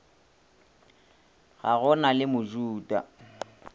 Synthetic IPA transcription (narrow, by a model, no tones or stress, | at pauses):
ɣa̰ɣɔnalɪmʊd͡ʒuːda̰